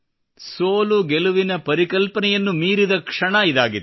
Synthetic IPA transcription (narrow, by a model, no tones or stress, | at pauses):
soːluɡeluʋinɐpɐɾikɐlpɐnɛjɐnːumiːɾid̪ɐkʂɐɳɐid̪aːɡit̪